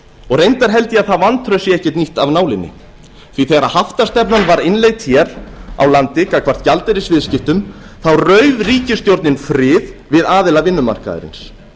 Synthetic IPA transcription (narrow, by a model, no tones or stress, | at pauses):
ɔɣrejnt̪aɾ̥ɦɛl̪t̪ɪaðθaðvant̪ʰɾœɥsjɛɛhcɛt̪niht̪avnaːwlɪnːɪ̰ | θviθeɣaɾahaft̪ḁst̪ɛpnanvaɾɪnlejɣt̪çɛɾa̰wlant̪ɪkakʰv̥ar̥t̪calt̪ɪɾɪsvɪðscɪht̪ʏmθawrœɥðriːcɪst̪jowɾt̪nɪnfɾɪːðvɪðaːðɪlavɪnːʏma̰r̥ka̰ðɪ̰ɾɪ̰ns